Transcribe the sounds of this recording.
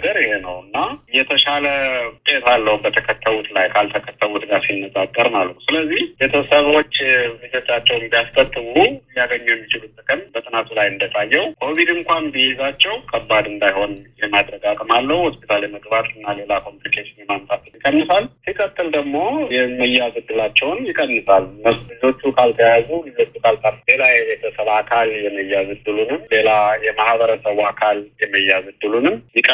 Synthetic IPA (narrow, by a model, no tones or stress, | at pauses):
ɡəɾjɪhe̞nəwɨnːaɨjɛt̪ʰəʃalət̪ʼe̞t̪ʰalːəhubət̪ʰəkʰət̪ʰːəβut̪lajkʰalt̪ʰəkʰət̪ʰːəβud̪ɨɡaɾsinːəzʼakʼːəɾmalːət̪u̥sɨləzːihjɛt̪ʰəsəβwo̞t͡ʃːmɨzət̪ʼat͡ʃːɛwmbijaskʼət̪ʼːɨβujiaɡəɲːujɛmːit͡ʃɪlut̪t̪ɨkʼəmbət̪ʼɨnat̪ʰulajɨnd̪ət̪ʼajːɛwkʰo̞βid̪ɨŋkʷanbijezat͡ʃːɛwkʼʰəbːad̪ɨnd̪ajho̞njɛmad̪ɾəɡakʼmalːəhuhospit̪ʰaleməɡbat̪ʼɨnːale̞lakʰo̞mplikʰeʃinɛmamt̪ʼat̪ɨnjɪkʼːənːɨsalsikʰʼət̪ʰːɨld̪əɡmo̞jɛməjːazɨd̪ːɨlat͡ʃːɛwnjɪkʼːənːɨsalnəβslizo̞t͡ʃːukʰalt̪ʰəjazulɨzo̞t͡ʃːukʰalt̪ʼarle̞lajɛt̪ʰəsəlakʰaljɛməjːazɨd̪ːɨlunɨmle̞lajɛmahbəɾəsəβakʰaljɛməjːazɨd̪ːɨlunɨmjɪkʼə